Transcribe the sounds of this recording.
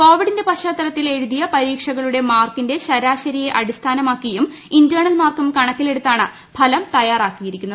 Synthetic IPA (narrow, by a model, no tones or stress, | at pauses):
ko̞ːʋiɽinde̞pɐɕaːt̪ːɐɾɐt̪ːile̞ɻuðijɐpɐɾiːkʂɐɣɐɭuɽe̞maːrkinde̞ɕɐɾaːɕɐɾijeʔɐɽist̪ʰaːnɐmaːkːijum | indɐːɳɐlmaːrkumkɐɳɐkːile̞ɽut̪ːaːɳɨ | pʰɐlɐmt̪ɐjaːraːkːijiɾikʲːunːɐð